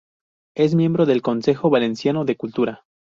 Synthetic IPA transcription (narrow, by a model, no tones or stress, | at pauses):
e̞s̬mje̞mbɾo̞ðe̞lko̞nse̞xo̞βale̞nsjano̞ðe̞kult̪uɾa